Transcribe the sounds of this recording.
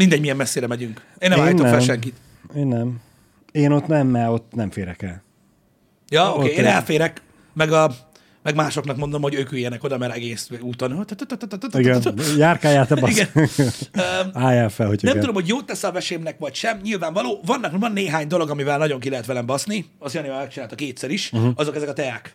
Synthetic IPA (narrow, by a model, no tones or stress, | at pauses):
mind̪ɛɟmijɛmːɛsːeːɾɛmɛɟyŋk | eːnɛmaːjinokfɛlʃɛŋkit̪ | eːnːɛm | eːno̞t̪nɛmːɛɾo̞t̪ːnɛmfeːɾɛkɛl | jɒokeːeːnɛlfeːɾɛk | mɛɡɒ | mɛɡmaːʃo̞knɒkmo̞nd̪o̞mho̞ɟøːkyjɛnɛko̞d̪ɒmɛɾɛɡeːsuːt̪o̞not̪t̪t̪t̪t̪t̪t̪iɡɛjaːrkaːjaːt̪ɛbiɡɛn | øaːjafɛlhocʰnɛmud̪o̞mho̞ɟjoːt̪ːɛsɒvɛʃeːmnɛkʋɒcʃɛmɲilvaːɱvɒloːvɒnːɒkvɒnːeːɦaːɲd̪o̞lo̞ɡɒmivɛlnɒɟo̞ŋkilɛɦɛt̪vɛlɛmbɒsni | ɒsjɑneaːmɛk̚t͡ʃinaːlt̪ɒkeːt̪sɛɾiʃɒzo̞kɛzɛkɒt̪ɛjak